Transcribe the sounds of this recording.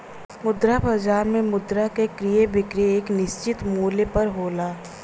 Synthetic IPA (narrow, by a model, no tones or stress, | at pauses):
mʊd̪ɾabad͡ʒaːɾmẽmʊd̪ɾakekɾijebɪkɾeeːknɪʃt͡ʃɪt̪muːlepɐɾɦoːlaː